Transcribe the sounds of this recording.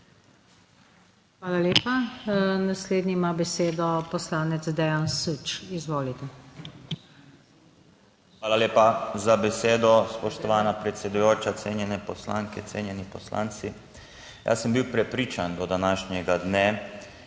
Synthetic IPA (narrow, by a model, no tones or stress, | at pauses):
xʋaːlaleːpanasleːd̪nʲiimabɛseːd̪ɔpɔslaːnɛt̪zd̪ɛjansut͡ʃizʋoːlit̪ɛ | xʋaːlaleːpazabɛseːd̪ɔspɔʃt̪ɔʋaːnapɾɛt̪sʲɛd̪ujoːt͡ʃat̪senjɛnɛpɔsla̰ŋkɛt̪seːnjɛnipɔsla̰ːnt̪si | ja̰səmbiwpɾɛpɾiːt͡ʃand̪ɔd̪anaːʃnɛɡad̪nɛ